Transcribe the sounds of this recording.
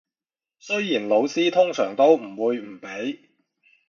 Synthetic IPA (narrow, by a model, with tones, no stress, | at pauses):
sɵ˥ɥjiː˨˩nlo˨˧wsiː˥t̪ʰʊ˥ŋsœː˨˩ŋt̪o˥wm̩˨˩wuː˨˧jm̩˨˩pe˨˥j